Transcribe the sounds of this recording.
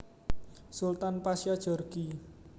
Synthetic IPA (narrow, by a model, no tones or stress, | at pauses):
sult̪anpasjad̥ʒ̥ɔ̤rɡ̥i